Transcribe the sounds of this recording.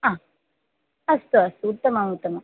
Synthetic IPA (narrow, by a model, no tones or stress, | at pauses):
ã | ɐst̪uɐst̪uut̪ːɐmaut̪ːɐma